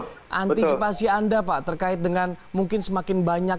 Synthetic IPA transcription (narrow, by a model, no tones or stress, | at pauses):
ʔant̪isipasiandapaʔt̪ərkaɪt̪̚dəŋanmuŋkɪnsəmakɪnbaɲak